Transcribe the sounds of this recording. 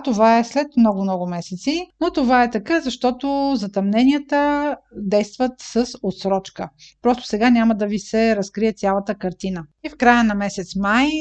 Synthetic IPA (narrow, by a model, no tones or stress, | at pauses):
t̪ovaɛslɛt̪mnɔɡʊmnɔɡʊmɛsɛt̪sinot̪ovaɛt̪ɐkəzɐʃt̪ɔt̪ozɐt̪ɐmnɛnijət̪əd̪ɛjst̪vət̪səsot̪sɾɔt͡ʃkə̰pɾɔst̪ʊ̥sɛɡanʲaməd̪ɐvisɛɾɐskɾiɛt̪sʲalˠɐt̪əkɐɾt̪inəifkɾajənɐmɛsɛt̪smaj